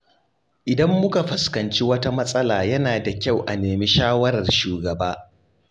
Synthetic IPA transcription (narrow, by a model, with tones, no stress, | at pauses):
ʔɪ˨dɐ˦mːʊ˦ka˨ɸɐ˨skɐ˨nt͡ʃi˦wɐ˦ta˦mɐ˦sʼɐ˦laː˨jɐ˦naː˨da˨kʲa˦˨wʔa˨neː˨mi˦ʃaː˦wɐ˦ɾɐ˨rʃuː˨ɡɐ˨baː˦